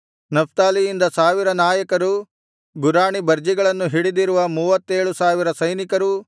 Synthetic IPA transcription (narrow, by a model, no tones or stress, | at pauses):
nɐpt̪aːlijind̪ɐsaːʋiɾɐnaːjɐkɐɾu | ɡuɾaːɳibɐɾd͡ʒiɡɐɭɐnːuɦiɽid̪iɾuʋɐmuːʋɐt̪ːeːɭusaːʋiɾɐsɐjnikɐɾu